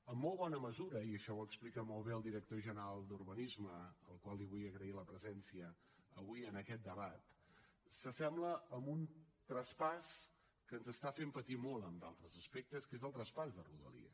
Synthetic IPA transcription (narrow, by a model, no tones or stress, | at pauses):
əmːolˠβɔnəməzuɾəiəʃɔwəksplikəmolˠβeəlˠd̪iɾək̚t̪oʒənəɾalˠd̪urβənizməəlˠkwalˠiβujəɣɾəiləpɾəzɛnsiəː | βuijənəkɛt̪̚d̪əβat̪ | səsɛmbləəmbunt̪ɾəspas | kənzəst̪afempət̪imɔlˠəmd̪alˠt̪ɾəzəspek̚t̪əskezəlˠt̪ɾəspazðəruðə̰lḭə̰